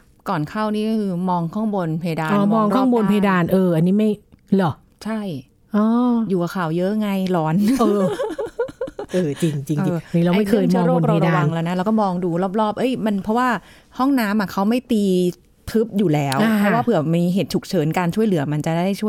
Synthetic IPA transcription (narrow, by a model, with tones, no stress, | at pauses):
kɔː˨˩nkʰa˥˩wniː˥˩kɔ˥˩kʰɯː˧mɔː˧ŋkʰɔː˥˩ŋbo˧npʰa˧ja˧daː˧ɔː˧mɔː˧ŋkʰɔ˥˩ŋbo˧npʰa˧a˧daː˧nʔɤː˧ʔa˧nːiː˦˥ma˥˩jlɔ˨˩ | t͡ɕʰa˥˩j | ʔɔː˧˩juː˨˩ʔa˨˩kʰaː˨˩wjɤ˦˥ʔŋa˧jlɔː˧˥nɤː˧ | ʔɤː˧t͡ɕi˧ŋt͡ɕi˧ŋː˧˨niː˦ɾa˧wa˧m˥˩kʰɤː˧jaː˥˧˦ɾoː˥˩k̚ɾa˧ɾa˧wa˧ŋlɛː˧˥˩na˦˥ɾaː˧wkɔː˥˩mɔː˧ŋduː˧ɾɔː˦˥˩p̚ɾɔː˥˩p̚ʔɤ˦˥jma˧npʰɾɔ˦˥waː˥˩ | hɔ˥˩ŋnaː˦˥mʔa˨˩kʰa˦˥wma˥˩jt̪iː˧ | t̪ʰɯ˦˥p̚juː˨˩lɛː˦˥wpʰɾɔ˦˥waː˥˩pʰɯ˨˩˦miiː˧ɦeː˨˩t̪̚t͡ɕʰu˨˩k̚t͡ɕʰɤː˨˦nkaː˧nt͡ɕʰu˥˩jlɯ˨˩˦ɐma˧nt͡ɕa˨˩ʔda˥˩da˥˩jt͡ɕʰu˥˩˨j